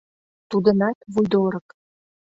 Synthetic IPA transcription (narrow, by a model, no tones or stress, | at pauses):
t̪ud̪ə̆nɑt̪vujd̪oɾɤk